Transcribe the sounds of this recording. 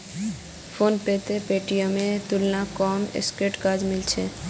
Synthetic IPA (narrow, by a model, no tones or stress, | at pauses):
fʰoːnpeːt̪epeːʈijõmẽt̪ʊlnakɔːmɪ̰skeʈkaːd͡ʒmɪlt͡ʃʰeː